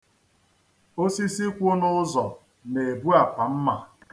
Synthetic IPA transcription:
o˦si˦si˦kʷʊ˦nʊ˦zɔ˨ | ne˨bu˦a˨pa˨m̩˦ma˨

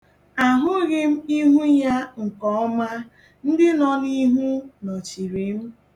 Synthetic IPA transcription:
a˨ɦʊ˦ɣɪ˦m̩˦i˦ɦu˦ja˦ŋ̩˨kɔ˨˦ɔ˦ma˦ | n̩˦dɪ˦nɔ˦ni˦ɦu˦nɔ˨t͡ʃi˨ɾe˨˦m̩˦

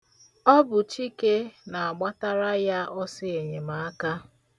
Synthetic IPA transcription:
ɔ˦bʊ˨t͡ʃi˦ke˦na˨a˨ɡ͡ba˦ta˦ɾa˦ja˦ʔɔ˦sɪ˦e˨ɲe˨ma˨a˦ka˦

